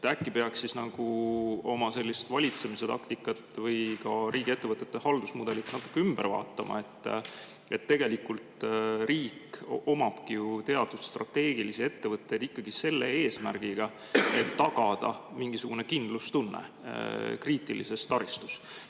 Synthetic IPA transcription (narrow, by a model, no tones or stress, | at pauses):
t̪ækːipe̞ɑksːisnɑɡ̥uo̞mɑse̞lʲːist̪vɑlʲit̪se̞mise̞t̪ɑkt̪ikːˑɑt̪ːˑvɤjkɑɾiːɡie̞t̪ːe̞vɤt̪ːˑe̞t̪ːehɑld̪̥usmud̪̥e̞lit̪nɑt̪ːˑu̥kːeymb̥ervɑ̰ːt̪ːˑɑmɑ̰e̞t̪ːˑ | e̞t̪ːe̞ɡ̥e̞likult̪riːko̞mɑb̥kijut̪e̞ɑd̪̥usst̪rɑ̰t̪ːe̞ːɡ̥ilisie̞t̪ːe̞vɤt̪ːe̞jd̪̥ikːɑɡ̥ise̞lːeeːsmæ̰rɡ̥iɡ̥ɑ | e̞t̪ːɑɡɑd̪̥ɑ̰miŋɡ̥isuɡ̥une̞kind̪lust̪unːḛ | kriːt̪ˑilḭse̞st̪ɑɾist̪u̥s